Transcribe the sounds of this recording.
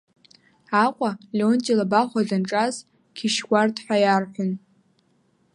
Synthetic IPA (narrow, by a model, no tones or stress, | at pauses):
aqʷʼalontʼilabaχʷadanʈ͡ʂʼaz | kʲʰiʃɡʷartʰʼħʷajarħʷʊn